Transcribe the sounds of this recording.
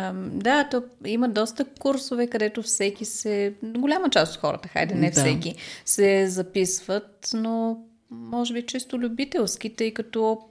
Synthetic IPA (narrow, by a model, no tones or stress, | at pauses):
d̪at̪ɔiməd̪ɔst̪əkuɾsovɛkɐd̪ɛt̪ofsɛkisɛɡolʲamət͡ʃast̪ot̪xɔɾə̰t̪əxa̰jd̪ɛnɛfsɛkisɛzɐpisvət̪no | mɔʒɛbit͡ʃist̪olʲʊbit̪ɛlˠsk̟it̪ɤjkɐt̪ɔ